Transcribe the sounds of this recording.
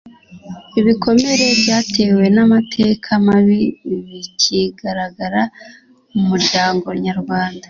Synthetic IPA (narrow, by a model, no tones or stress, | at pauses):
iβiko̞me̞ɾe̞bɟaːtʰe̞ːwe̞namatʰe̞kʰamaβiβiciɡaɾaɡaɾa | umuɾɟaːŋɡo̞ɲaɾɡwaːnda